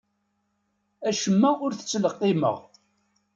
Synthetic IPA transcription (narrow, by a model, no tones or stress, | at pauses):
æʃəmːæʊɾθə̥t͡sːləqːɪmə̰ʁ